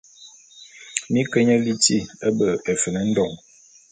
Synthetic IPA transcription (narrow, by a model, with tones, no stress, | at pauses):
mi˦kə˦ɲə˦li˦ti˦˨ə˦bə˨e˨fə˨nə˦n̩˦dɔ˨ŋ